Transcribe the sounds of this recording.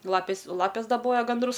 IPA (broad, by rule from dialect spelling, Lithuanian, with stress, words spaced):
ˈlˠɑːpʲeːs oː ˈlˠɑːpʲeːs dɐˈboːjɛ ɡɐnˈdrʊs